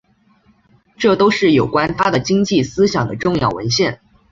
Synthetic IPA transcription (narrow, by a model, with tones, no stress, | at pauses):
ʈ͡ʂɤ˥˩t̪o˥ʊʂɻ̩˥˩jo˨˩ʊkwa˥nt̪ʰa˥d̪ə˨t͡ɕi˥ŋt͡ɕi˥˩sɹ̩˥ɕjɑ˨˩ŋd̪ə̰˦ʈ͡ʂʊ˥˧ŋjɑ˥˩ʊwə̰˧˥nɕjɛ˥˩n